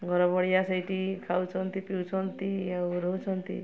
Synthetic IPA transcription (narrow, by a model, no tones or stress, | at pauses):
ɡʱɔɾɔbɔɽijasajʈikʰawt͡ʃʰɔnt̪ipiwt͡ʃʰɔnt̪iawɾout͡ʃʰɔnt̪ḭ